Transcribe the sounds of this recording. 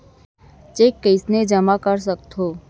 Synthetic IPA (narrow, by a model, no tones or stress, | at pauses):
t͡ʃeːkːəɪsned͡ʒəmakəɾs̬ək̚t̪ʰoː